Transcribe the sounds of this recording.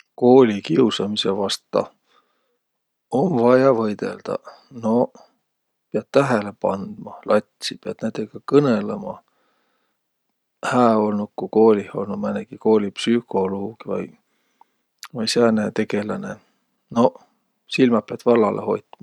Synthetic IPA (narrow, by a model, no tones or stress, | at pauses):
ko̞ːlʲikiusɑmisevɑst̪ːˑɑ̰ | omvɑjɑvɤjd̪̥e̞̰ld̪̥ɑ̰ | no̞ | peɑt̪̚t̪æɦele̞pɑnd̪̥mɑlɑt̪ʲsipeɑd̪̥næd̪eɡ̥ɑkɤnelemɑ | hæːo̞lnut̪̚kuko̞ːlʲiho̞lnu̥mæneɡ̥iko̞ːlʲipsyko̞loːɡ̥ivɑ̰j | vɑjsænet̪e̞ɡ̥e̞lɑne | no̞ | silmɑpeɑd̪̥vɑlːɑlʔḛho̞̰jt̪mɑ